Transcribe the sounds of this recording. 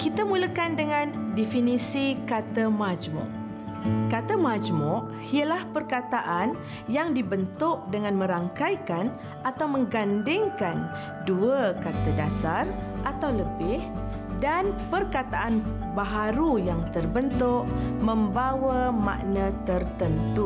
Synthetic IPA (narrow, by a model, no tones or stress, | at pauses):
kit̪amuləkandəŋãndifinisikat̪əmad͡ʒmʊ̰ʔ | kat̪əmãd͡ʒmʊʔ | ialahpərkat̪aʔan | jaŋdibənt̪ʊʔ̚dəŋãnmə̃ɾaŋkajkan | at̪awmə̃ŋɡandɪŋkan | duəkat̪ədasarʔat̪awləbɪh | danpərkat̪aʔan | baɦaɾujaŋt̪ərbənt̪ʊʔmə̃mbawama̰ʔnə̃t̪ərt̪ənt̪u